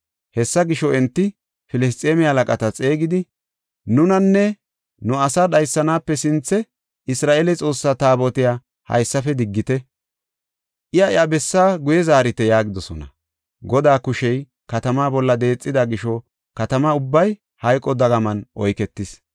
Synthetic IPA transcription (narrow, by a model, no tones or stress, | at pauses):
hɛsːɐɡɪʃɔɛnt̪ːɪ | fɪlɛs̬t̪ʼeːmɪɐlɐkʼɐt̪ɐt͡sʼe̞ːɡɪd̪ɪ | nʊnɐnːɛ | nʊɐsadɐjsːɐnaːpːɛsɪnt͡sːɛ | ɪsɾaːʔeːlɛt͡sʼo̞ːsːat̪aːbɔt̪ɪjaː | hɐ̰jsːɐfɛd̪ɪɡːɪt̪ɛ | ʔɪjɐɪjabɛsːaːɡʊjɛzaːɾɪt̪ɛjaːɡɪd̪ɔsɔ̰nɐ̰ | ɡɔd̪aːkʊʃɛj | kɐt̪ɐmaːbɔlːɐd̪e̞ːt͡sʼːɪd̪aɡɪʃɔ | kɐt̪ɐmaʊbːɐj | hɐjkʼːɔd̪ɐɡɐmɐnʔɔjkɛt̪ːɪs